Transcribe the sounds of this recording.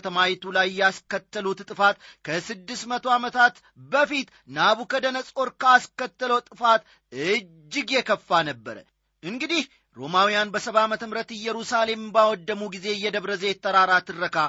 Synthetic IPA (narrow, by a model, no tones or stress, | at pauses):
t̪ʰəmajt̪ʰulajːɛaskət̪ːəlut̪t̪ʼɨfat̪kʰəsɨd̪ːɨsmət̪ʰo̞amət̪ʰat̪ | bəfit̪ | naβukəd̪ənəsʼo̞ɾkəaskət̪ːələwt̪ʼɨfat̪ | ɨd͡ʒːɪɡjɛkʰəfːanəbːəɾə̰ | ʔɨŋɡɨd̪ih | ɾo̞mawijanbəsəβamət̪ʰəmɾət̪ɨjːɛɾusale̞mbawɔd̪ːəmuɡize̞jːɛd̪əβɾəzjɛt̪ʰːəɾaɾat̪ʰɨrːəkʰa